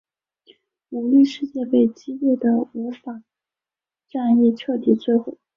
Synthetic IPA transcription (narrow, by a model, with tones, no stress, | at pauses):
nu˧˥ŋli˥˧ʂɻ̩˥˧t͡ɕjɛ˥˧pe˥˩ɪt͡ɕi˥lɛ˥˩d̪ə˩u˧˥fa˨˩ | ʈ͡ʂa˥˧ni˥˧t͡ɕʰɤ˥˩t̪i˨˩t͡swe˥˩ɪxwɔ˨˩˦